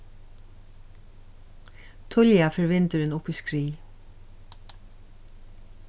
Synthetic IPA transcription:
t̪ʰɔljɑfɔɹʋɪnt̪əɾeːnʊpəskɹiː

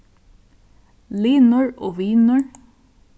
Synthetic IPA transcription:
liːnʊɹoːʋiːnʊɹ

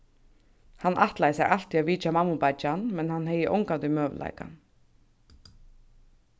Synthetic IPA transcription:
hanːʔaht̪lajɪsɛ̰ɣʔal̥t̪iaviːt͡ʃamamːʊpat͡ʃanmɛnhanːɦɛjɪʔɔ̰wŋkant̪ʏmœːv̰la̰jka̰n

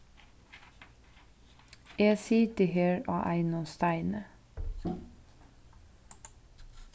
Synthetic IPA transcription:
jeːsiːd̪iheːɹɑ̰ːʔæɪnɔst̪æɪnə

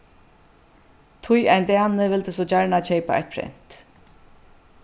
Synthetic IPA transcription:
t̪ʰʊjajnt̪æanɪʋɪlt̪ɪsɔt͡ɕaɹɳat͡ɕʰɛjpa̰a̰jt̪̚pʰɾɛ̰n̥t̪

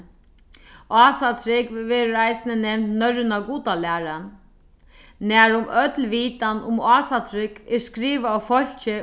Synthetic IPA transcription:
aːsat̪ʰɾɪkʋeːɾəɾaɪsɪnənɛmnt̪nœɾɪnaɡuːt̪alæːɾan | næːɾʊmœt̪lʋiːt̪anʊ̰maːsat̪ʰɾɪkɪskɾiːʋaːfɔl̥t͡ʃə

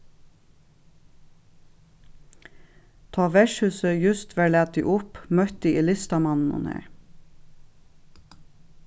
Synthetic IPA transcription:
t̪ʰɑːʋɛʃhʉːsəjʉst̪ʰʋæːɭæːt̪̚d̪ḭːʔʊpmœt̪̚d̪iːʔiːlɪst̪ɑmɑnn̩ṵːnḛːɹ

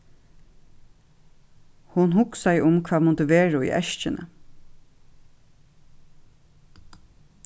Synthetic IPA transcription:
hʊnɦʊksajʔʊmkʰʋaːmʊt̪əʋeːɹaḭːʔɛ̰ʃt͡ʃɪnə̰

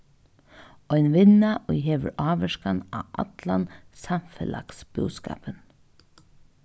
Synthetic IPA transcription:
ɔjnʋɪnaʔʊjɦeːʋə̰ɾɑːʋɛʃkanaːa̰t̪lansamfɛlʔa̰ksb̥ʊ̰ska̰ːpən

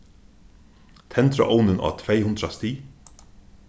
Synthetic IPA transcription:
t̪ʰɛnt̪ɾaʔɔwnɪnʔa̰ːt̪ʰvejhʊnd̪ɾast̪iː

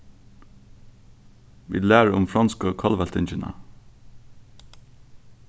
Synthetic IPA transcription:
ʋḭːlæːɹʊmfɹɑnskəoːkʰɑlʋælt̪ɪnçɪnə̰

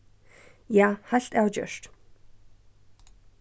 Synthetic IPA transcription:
jaːħaɬtʼawd͡ʒɐ̰ʂtʰ

